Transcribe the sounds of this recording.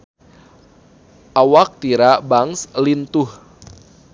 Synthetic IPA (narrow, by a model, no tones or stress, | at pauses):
ʔawak̚t̪iɾabaŋslint̪ʊh